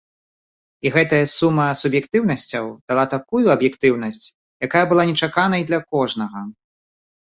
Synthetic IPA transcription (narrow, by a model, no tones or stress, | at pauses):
iɣɛt̪ɐjɐsumːɐsubjɛkt̪ɨwnɐsʲt͡sʲɐwd̪̥alˠat̪akujuɐbjɛkt̪ɨwn̪ɐsʲt͡sʲ | jakajɐbɨlˠanʲɛt͡ʂakan̪ɐjid̪lʲɐkɔʐnɐɣɐ